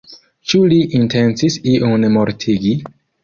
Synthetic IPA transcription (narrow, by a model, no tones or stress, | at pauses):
t͡ʃuliʔintent͡sisiʔonmoɾtʰiɡi